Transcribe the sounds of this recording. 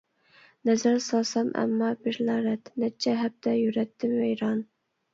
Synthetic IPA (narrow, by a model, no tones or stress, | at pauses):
næzæɾsɑsɑmʔæ̰mːɑbɪɾlɑɾɛt̪nɛt͡ʃʰːɛɦæb̚t̪ɛjyɾɛt̪ʰːɪmvejɾɑn